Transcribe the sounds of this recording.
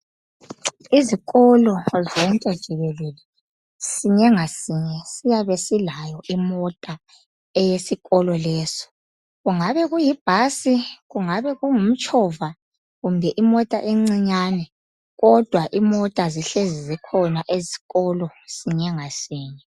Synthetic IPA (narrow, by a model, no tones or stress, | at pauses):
iziɣɔlɔzɔŋkʼɛd̥ʒ̥ʱiβelulɛ | siɲɛŋasiɲɛsijaβesilajɔʔimɔtʼa | ɛjesiɣɔlɔlɛːsɔ̥ | ɣuŋaβɛɣujib̥ʱasiɣuŋaβɛɣuŋum̩t͡ʃʼɔva | ɣumbʱɛʔimɔtʼa̰ʔeŋ͡ǀiɲaːnɛ | ɣɔd̥ʱwaʔimɔtʼaziɬezizikʰɔnaʔeziɣɔlɔsiɲɛŋasiːɲɛ